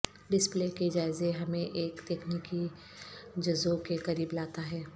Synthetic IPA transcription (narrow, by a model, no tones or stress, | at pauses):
ɖɪspleːked͡ʒaːɪzeɦɐmẽʔeːkt̪eːkniːki | d͡ʒɐzokekɐɾiːblaːt̪aɦɛː